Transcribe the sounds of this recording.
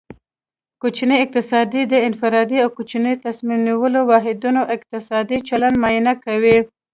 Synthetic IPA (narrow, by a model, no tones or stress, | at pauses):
kot͡ʃinəɪq̚t̪ɪsɑd̪id̪əɪnfɪɾɑd̪iawkot͡ʃinəjt̪asmimniwəlowɑɦɪd̪unoʔɪq̚t̪ɪsɑd̪it͡ʃaland̪mɑjɪnakawi